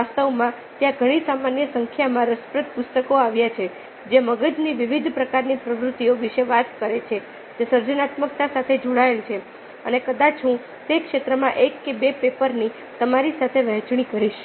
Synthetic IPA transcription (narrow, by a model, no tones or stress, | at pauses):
ast̪əʋmã | t̪jãɡʱəɽ̃isamanjəsəŋkʰjamãɾəspɾət̪̚pust̪əkoaʋjat͡ʃʰe | d͡ʒeməɡəd͡ʒniʋiʋid̪ʱpɾəkaɾnipɾəʋɾut̪ːioʋiʃeʋat̪kəɾet͡ʃʰe | t̪esəɾd͡ʒənat̪mək̚t̪asat̪ʰed͡ʒoɽaelt͡ʃʰe | ənekəd̪at͡ʃʰɦũ | t̪ekʃet̪ɾəmãʔekːebepepəɾni | t̪əmaɾisat̪ʰeʋəɦt͡ʃɳ̃ikəɾiʃ